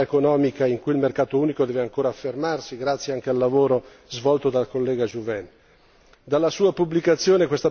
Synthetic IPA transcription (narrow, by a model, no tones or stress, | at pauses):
ekonɔːmikaiŋkujilmerkaːt̪ouːnikod̪ɛːveaŋkoːɾaːfːermarsiɡɾat̪sːjeaŋk̟ealːavoːɾo | zvɔlt̪od̪alkolːɛːɡad͡ʒuvɛn | d̪alːasuːapublikat̪sːjoːnekwest̪a